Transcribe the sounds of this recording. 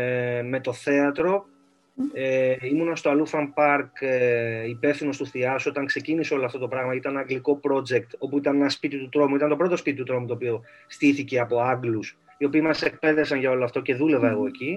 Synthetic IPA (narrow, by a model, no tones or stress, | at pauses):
me̞t̪o̞θe̞ɐt̪ɾo̞ | eimunɐst̪oɐlufɐmpɐɾkeipe̞fθino̞st̪uθiɐsuo̞t̪ɐŋkse̞ciniseo̞loɐft̪ot̪o̞pɾɐɣmɐit̪ɐneɐŋɡliko̞pɾo̞d͡ʒek̚t̪o̞puit̪ɐnenɐspit̪it̪ut̪ɾo̞muit̪ɐnt̪o̞pɾo̞t̪o̞spit̪it̪ut̪ɾo̞mut̪oːpio̞ | st̪iθice̞ɐpo̞ɐŋɡlus | io̞piːmɐse̞k̚pe̞ðesɐnʝɐo̞loɐft̪o̞ce̞ðule̞vɐe̞ɣo̞e̞ci